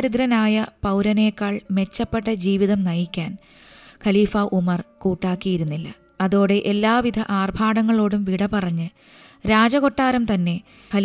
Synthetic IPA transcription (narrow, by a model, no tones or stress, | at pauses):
ɾud̪ɾɐnaːjɐpɐwɾɐne̞ːkːaːɭme̞t͡ɕːɐpːe̞ʈːɐd͡ʑiːʋiðɐmnɐjikʲːaːn | kʰɐliːfɐʔumɐrkuːʈːaːkːijiɾunːilːɐ̰ | ɐðo̞ːɽe̞ʔelːaːʋid̪ʱɐʔaːrbʱaːɽɐŋːɐɭo̞ːɽumʋiɽɐpɐrɐɲːɨ | ɾaːd͡ʑɐɣo̞ʈːaːɾɐmt̪ɐnːe̞ | ɐ